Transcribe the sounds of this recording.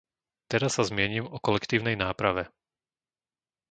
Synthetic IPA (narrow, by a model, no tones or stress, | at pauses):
t̪ɛɾasːazmɪɛɲiːmɔkɔlɛkt̪iːʊnɛjnaːpɾaʋɛ